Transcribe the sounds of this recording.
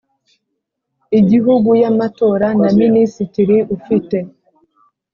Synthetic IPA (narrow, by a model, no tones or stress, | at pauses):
iɟiɦuɡujamato̞ːɾanaminisitiɾiʔufite̞